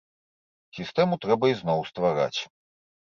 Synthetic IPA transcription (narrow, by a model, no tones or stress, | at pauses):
sʲist̪ɛmut̪ɾɛbɐiznɔwst̪vaɾa̰t͡sʲ